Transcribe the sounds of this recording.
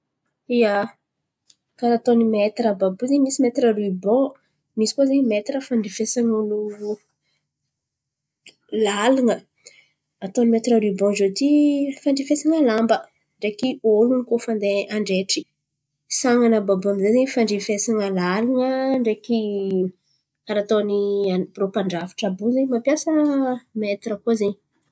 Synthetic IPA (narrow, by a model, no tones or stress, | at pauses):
ia | kaɾat̪onimet̪ɾəbabuzemisimet̪ɾəruibɔ̃ | misi̥kozemet̪ɾəfaɳɖ͡ʐifesaŋanu | laluŋə | at̪onimet̪ɾəɾibɔ̃zot̪ifaɳɖ͡ʐifesaŋəlambə | ɳɖ͡ʐekiolunikofãnd̪eaɳɖ͡ʐeʈ͡ʂi̥ | saŋanəbabuamizezeɲfaɳɖ͡ʐifesaŋəlaliŋəɳɖ͡ʐeki | kaɾat̪oniabropaɳɖ͡ʐafi̥ʈ͡ʂabuzeɲmapjasəmet̪iɾəkozeɲi